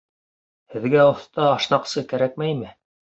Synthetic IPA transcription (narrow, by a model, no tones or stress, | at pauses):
hɘ̆ðɡæŏθt̪ɑːʃnɑqsɤkæɾæk̚mæjmɘ